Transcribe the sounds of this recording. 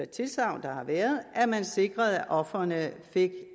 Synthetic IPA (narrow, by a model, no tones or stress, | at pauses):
ɐt͡sʰe̝lsɑ̈ʊ̰nd̥ɑ̈hɑ̈ʋæːɐð̩ˠæɐmænse̝ɡ̥ʁɐð̩ˠæʔɒ̽fɐnəfe̝ɡ̥